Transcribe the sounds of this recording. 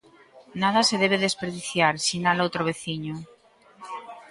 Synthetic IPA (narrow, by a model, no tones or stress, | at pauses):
nað̞aseðeβ̞eðespeɾðiθjaɾsinalowt̪ɾoβ̞eθiɲo